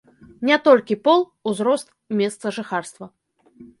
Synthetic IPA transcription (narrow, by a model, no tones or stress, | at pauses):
nʲɛt̪ɔlʲkʲipɔlˠ | uzɾɔst̪ | mʲɛst̪sɐʐɨxarst̪vɐ